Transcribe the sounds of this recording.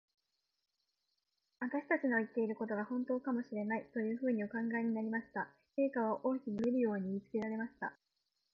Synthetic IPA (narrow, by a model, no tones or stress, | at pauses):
βat̪aɕi̥t̪at͡ɕino̞it̪ːe̞iɾɯ̟ko̞t̪o̞ɡahõ̞nt̪o̞ːkamo̞ɕiɾe̞nait̪o̞jɯ̟ːɸɯ̟ːɲ̟io̞kãŋɡae̞ɲ̟inaɾʲimaɕi̥t̪a | ke̞ːkaβaʔo̞ːkʲiɲieɾɯ̟jo̞ːɲ̟imʲit͡sɨ̥ke̞ɾaɾe̞maɕi̥t̪a̰